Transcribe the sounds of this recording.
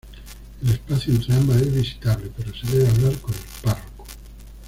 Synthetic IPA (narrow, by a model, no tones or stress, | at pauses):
elespaθjuent̪ɾamaezβisi̥t̪aβle̞pe̞ɾoseðeβeaβlaɾko̞nelparoko̥